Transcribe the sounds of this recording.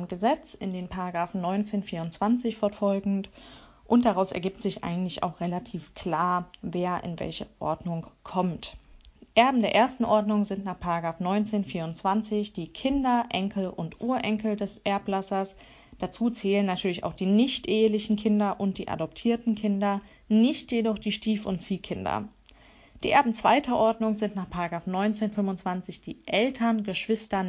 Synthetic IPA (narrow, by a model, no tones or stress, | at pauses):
mɡəzɛt͡sɪndeːnpʰaʁaɡʁaːfn̩nɔʏnt͡seːnfiːɐʊnt͡sv̥ant͡sɪçfɔɐfɔlɡŋ̩t | ʔʊntd̥aʁaʊsɛɐɡiːp̚tz̥ɪçʔa̰ɪɡŋ̩tlɪça̰ʊxʁ̥elatʰiːfkʰl̥aːɐveːɐʔɪ̰nvɛ̰lçəʔɔ̰ɐdnʊŋkʰɔmtʔɛɐbm̩deːɐʔeːɐstn̩ʔɔɐdnʊŋzɪntnaːχpʰaʁaɡʁaːfnɔʏnt͡seːnfiːɐʊnt͡sv̥ant͡sɪçd̥iːkʰɪndɐʔɛŋkl̩ʔʊntʔuːɐʔɛŋkl̩dɛsʔɛɐpɡlasɐs | d̥at͡suːt͡sɛːlənːatʰyːɐlɪça̰ʊxd̥iːnɪçtʔeːəlɪçn̩kʰɪndɐʔʊnt̚d̥ḭːʔa̰dɔp̚tʰiːɐtn̩kʰɪndɐ | nɪçtjedɔχd̥iːʃtiːfʊntt͡siːkʰɪndɐ̰ | d̥iːʔɛɐbm̩t͡sv̥a̰ɪtʰɐʔɔɐdnʊŋzɪntnaːχpʰaʁaɡʁaːfnɔʏnt͡seːnfʏmʊnt͡sv̥ant͡sɪçd̥ḭːʔɛltʰɐnɡəʃv̥ɪstɐn